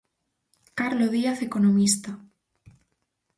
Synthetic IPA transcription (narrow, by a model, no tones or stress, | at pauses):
kaɾloðiaθekonomist̪a